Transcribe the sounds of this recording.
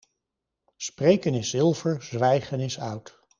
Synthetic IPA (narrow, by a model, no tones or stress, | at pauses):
sprejkənɪsɪlˠvəɹzʋɛjχənɪsœɥt